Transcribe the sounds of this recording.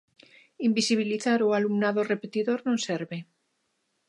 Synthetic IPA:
imbisiβ̞iliθaɾualumnaðore̞pet̪iðo̞ɾnõnseɾβe̞

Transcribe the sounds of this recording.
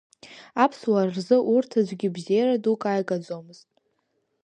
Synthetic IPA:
apʰswarrzɨʔurtʰazʷɡʲɪbzejradukʼajkʼad͡zomɨz̥tʼ

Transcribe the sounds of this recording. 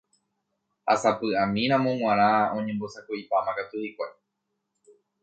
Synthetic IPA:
ha̰sapɨãmĩɾ̃ãmõŋw̃ãɾ̃ãõ̞ɲẽmbo̞sakoipamãkat̪uhikʷai

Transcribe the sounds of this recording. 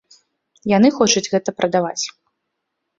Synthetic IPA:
janɨxɔt͡ʂud͡zʲɣɛt̪ɐpɾʔɐd̪avat͡sʲ

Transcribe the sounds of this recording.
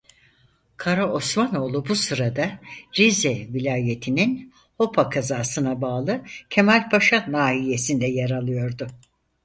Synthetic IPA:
kʰaɾaʔosmano̞ːlˠubusɯɾad̪aɾizɛvilʲaːje̞t̪ʰinin | ho̞pʰakʰazaːsɯnabaːlˠɯcʰe̞mælʲpʰaʃanaːɦije̞sind̪ɛjaɾalˠɯjo̞ɾd̪ʊ

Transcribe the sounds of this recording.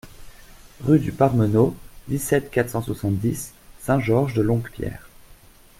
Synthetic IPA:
ʁyd̪ypaʁmənod̪isɛt̪kat̪χsɑ̃swasɑ̃t̪d̪isːɛ̃ʒɔʁʒd̪əlɔ̃ɡpjɛ̰ːʁ

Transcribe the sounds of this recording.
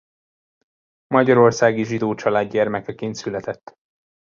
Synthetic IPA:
mɒɟɒɾo̞rsaːɡiʒid̪oːt͡ʃɒlaːd̪ɟɛrmɛkɛkeːnt̪sylɛt̪ɛt̪ː

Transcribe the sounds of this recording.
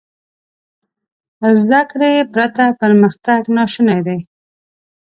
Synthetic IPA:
zd̪akɽepɾat̪apəɾməxt̪aɡnɑʃunajd̪e

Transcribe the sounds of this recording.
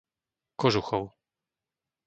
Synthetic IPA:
kɔʐuxɔw

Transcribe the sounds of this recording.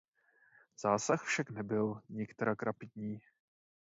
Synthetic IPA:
z̥aːsaxfʃaknɛbɪlɲɪkt̪ɛɾakɾapɪd̪ɲiː

